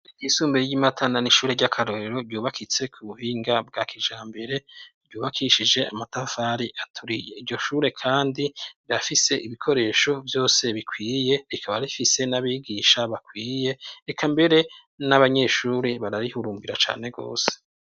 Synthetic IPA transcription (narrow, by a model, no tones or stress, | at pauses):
iɡiːsuːmbeɟimatʰananiʃuːɾeɟakʰaɾo̞ɾeɾo̞ɾɟuːβakʰit͡se̞kʰuβuhiːŋɡab̚ɡakʰiʒaːmbe̞ɾe̞vɟuːβakʰiʃid͡ʒe̞amatafaːɾiʔatʰuɾije̞iɾɟo̞ʃuːɾe̞kʰaːndiiafise̞ʔiβikʰo̞ɾe̞ːʃo̞vjo̞ːse̞βikwiːje̞ɾikʰaβaɾifise̞naβiɡiʃaβakwiːje̞ekʰambe̞ɾe̞ | naβaɲe̞ʃuːɾeβaɾaɾihuɾuːmbiɾat͡ʃa̰ːne̞ɡo̞̰ːse̥